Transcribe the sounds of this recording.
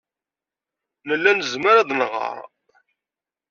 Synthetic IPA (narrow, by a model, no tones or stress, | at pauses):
nəlːænəzməɾaðnʁə̰ɾˤ